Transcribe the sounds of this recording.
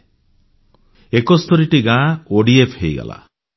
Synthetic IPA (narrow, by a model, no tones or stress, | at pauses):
ekɔst̪ʰɔɾiʈiɡãoɖiepʰhejɡa̰la̰